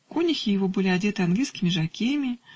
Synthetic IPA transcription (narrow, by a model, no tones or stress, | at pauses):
konʲɪxʲɪjɪvo̞bɨlʲɪɐdʲe̞t̪ɨɐanɡlʲijskʲɪmʲɪʐɐkʲejəmʲɪ